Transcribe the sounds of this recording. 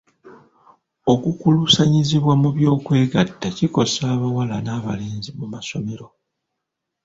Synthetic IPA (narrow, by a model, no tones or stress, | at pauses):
o̞kukulusaɲiziβwamuβjo̞ːkwe̞ːɡatːaciko̞saːβawalanaːβaleːnzimumaso̞me̞ɾo̞